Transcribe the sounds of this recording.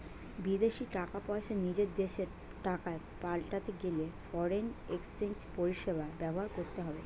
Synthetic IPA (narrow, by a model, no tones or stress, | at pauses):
bid̪eʃiʈakapɔeʃʰanid͡ʑeɾd̪eʃeɾ | ʈakae | palʈat̪eɡelefɔɾeneksenspoɾiʃebaebɛboɦaɾkoɾt̪eɦɔbe